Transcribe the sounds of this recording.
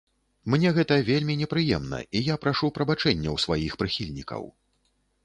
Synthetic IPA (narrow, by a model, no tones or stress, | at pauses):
mnʲɛɣɛt̪ɐvʲelʲmʲinʲɛpɾɨjɛmnɐ̰ijapɾaʂupɾɐbat͡ʂɛnʲːɐwsvajixpɾɨxʲilʲnʲikɐ̰w